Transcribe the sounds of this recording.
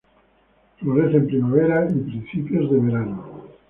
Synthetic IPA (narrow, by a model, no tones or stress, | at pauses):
foɾeθempɾimaβ̞eɾaipɾĩn̟θipjozðeβeɾano